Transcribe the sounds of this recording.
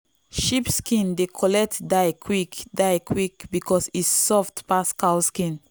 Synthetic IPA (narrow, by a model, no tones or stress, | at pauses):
ʃipskĩndekʰɔlɛk̚tdaɪkʰwikdaɪkʰwikbikɔsitsɔftpaskalskĩn